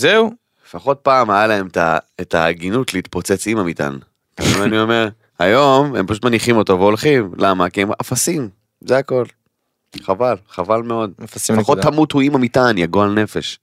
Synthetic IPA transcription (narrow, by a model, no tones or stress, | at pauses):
zeulefaχo̞t̚paːmajalae̞meta̰etaɡinut̪leit̪po̞t͡se̞t͡simamita̰n | ka̰mimanio̞me̞ʁ | hajo̞mempaʃut̪maniχimo̞to̞veo̞lχimlamakiemafasim | zeako̞l | χavalχavalme̞o̞dfaχot̪ːamuthuimamitanjaɡoalne̞fe̞ʃ